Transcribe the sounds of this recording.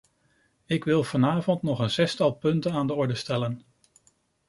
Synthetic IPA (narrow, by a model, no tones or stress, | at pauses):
ɪkʋɪlˠv̥ɑnaːvɔntnɔχənz̥ɛstɑlˠpɵntənaːndəɔɹdəstɛlən